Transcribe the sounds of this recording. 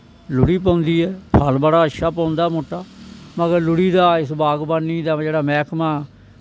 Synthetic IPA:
lʊɽiːpãːʊnd̪iːɛːpʰəlbaɽaːəʃaːpãːʊnd̪aːmʊʈːaːməɡəɾlʊɽiːd̪aːɪsbaːɡbanːiːd̪aːd͡ʒeːɽaːmɛːkʰmãː

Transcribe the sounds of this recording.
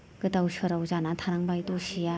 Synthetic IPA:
ɡ̥ɯtawsɯɾawzanat̪ʰaɾaŋbajtosija

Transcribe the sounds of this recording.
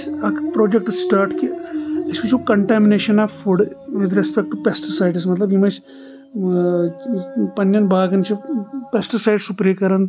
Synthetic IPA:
ɐkpɾoːd͡ʒek̚ʈsʈaːɾʈkiɪskit͡ʃʰukɐɳʈɛːmineːʃɐnafuɖʋɪd̪ɾespek̚ʈupesʈisaɪɖismɐt̪lɐbimɐt͡ʃ | pɐnjɐnbʱaːɡɐnt͡ʃʰipesʈisaɪɖsupɾikɐɾɐn

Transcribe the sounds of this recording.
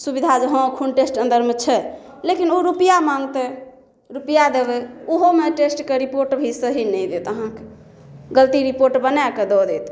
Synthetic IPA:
subid̪ʱad͡ʒəɦɔ̃kʰunʈesʈə̃nd̪əɾmet͡ʃʰɛlekinoɾupijamaŋɡt̪ɛ | ɾupijad̪ebɛuɦomeʈesʈkeɾipoɾʈbʱisəɦinɛjd̪et̪əɦãke | ɡəlt̪iɾipoɾʈbənaked̪ɔd̪ɛt̪

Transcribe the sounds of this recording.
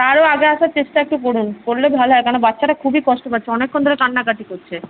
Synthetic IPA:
t̪aɾoaɡeaʃaɾt͡ɕeʃʈaɛk̚ʈep̬oɽunkoɾlebʱaloɦɔekanobatːɕʰaʈakʰubikɔʃʈopaɾt͡ɕʰeɔnekʰːond̪ʱoɾeʈanːakaʈikoɾt͡ɕʰe

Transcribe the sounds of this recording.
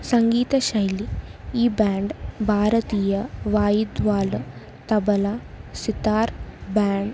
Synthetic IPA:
sɐŋɡiːt̪ɐɕɐjliiːbɛːɳɖbʱaːɾɐt̪iːjɐʋaːjid̪ʋaːl | t̪ɐbɐlɐ | sit̪aːɾbaːɳɖ

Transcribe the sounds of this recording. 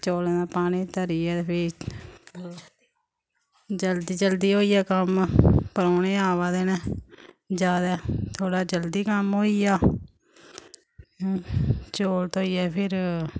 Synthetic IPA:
t͡ʃoːleːnaːpaːniːt̪əɾiːɛːpʰɪ | d͡ʒəld̪iːd͡ʒəld̪iːɦoːiːɛːkəmpəɾoːneːaːʋaːd̪eːnɛ̃ː | d͡ʒjaːd̪ɛːt̪ʰoːɽaːd͡ʒəld̪iːkəmɦoːiːaː | t͡ʃoːlt̪oːiːɛːpʰɪɾ

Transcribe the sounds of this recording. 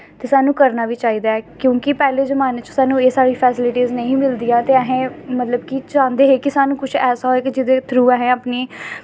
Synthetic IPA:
t̪eːsaːnũːkəɾnaːʋiːt͡ʃaːiːd̪aːɛːkjõːkɪpɛːleːzəmaːnet͡ʃsaːnũːeːsaːɽiːpʰɛːsɪlɪʈiːznəĩːmɪld̪ijãːt̪eːəɦẽːmət̪ləbkɪt͡ʃãːnd̪eːɦeːkɪsaːnũːkʊt͡ʃʰɛːsaːɦoeːkɪd͡ʒɪd̪eːt̪ʰɾuːɛːɦɛ̃ːaːpniː

